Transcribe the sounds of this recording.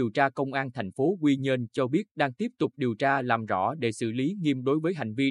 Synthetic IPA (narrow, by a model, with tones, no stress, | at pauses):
əwt͡ɕaː˧kə˧wŋ͡mʔaː˧nt̪ʰɛ˨˩jŋ̟fo˨˦kwi˧ɲə˧nt͡ɕɔ˧ɓi˦˥ət̚ɗaː˧ŋt̪i˦˥əp̚t̪ʊ˨˩k͡p̚ɗi˨˩əwt͡ɕaː˧laː˨˩mzɔ̰˧˥ɗe˧˩sɨ̰˧˩li˨˦ŋi˧əmɗo˨˦jvəː˨˦jɦa̰˨˧˩jŋ̟vi˧